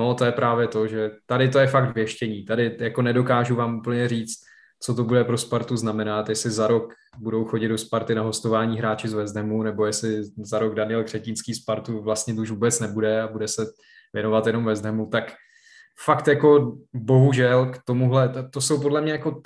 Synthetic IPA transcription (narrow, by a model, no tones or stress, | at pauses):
not̪o̞jɛpɾaːvjɛt̪o̞ʒɛt̪adɪt̪o̞jɛfak̚d̪vjɛʃcɛɲiːt̪adɪjako̞nɛdo̞kaːʒuvaːmuːpl̩ɲɛriːt͡st̪ | t͡so̞t̪̬o̞budɛpɾo̞spaɾt̪uznamɛnat̪jɛslɪzaɾo̞k | budo̞wxo̞ɟɪd̪do̞spaɾt̪ɪnaɦo̞st̪o̞vaːɲiːɦɾaːt͡ʃɪzvɛzd̪ɛmunɛbo̞jɛslɪzaɾo̞ɡdanɪɛlɡr̥ɛcɪnskiːspaɾt̪uvlast̪ɲɛt̪ouʃvuːbɛt͡snɛbudɛabudɛsɛ | vjɛno̞vat̪jɛno̞mvɛzd̪ɦɛmut̪ak | fakt̪jako̞bo̞ɦuʒɛlkt̪o̞muɦlɛt̪t̪oso̞wp̬o̞dlɛmɲɛjako̞